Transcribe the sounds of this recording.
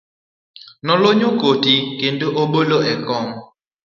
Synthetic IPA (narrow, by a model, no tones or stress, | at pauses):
nɔloɲukotikendoʔoɓoloʔɛkɔŋ